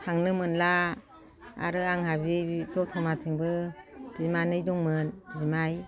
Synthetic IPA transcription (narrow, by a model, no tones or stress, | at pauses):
haŋnɯmɯnla | a̰ɾɯaŋhabitɔtʰɔmat͡ʃɯŋbɯb̥imanɯjdɔŋmɯnbzimaj